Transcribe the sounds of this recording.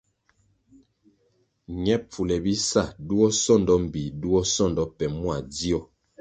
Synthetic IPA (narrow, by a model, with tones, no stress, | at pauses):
ɲɛ˦p͡fu˨lɛ˨bi˦sa˦˨du˦ɔ˦sɔ˦˨ndɔ˦m̩˨bi˨du˦ɔ˦sɔ˦˨ndɔ˦pɛ˨mwa˨di˦ɔ˨